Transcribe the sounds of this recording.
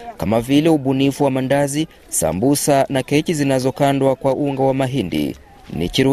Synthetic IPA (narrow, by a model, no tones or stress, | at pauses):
kamavilɛuɓunifuwamandazi | sa̰mbusanakɛt͡ʃizinazɔkandwakwaʔuŋɡawamaɦindḭ | nḭkiɾu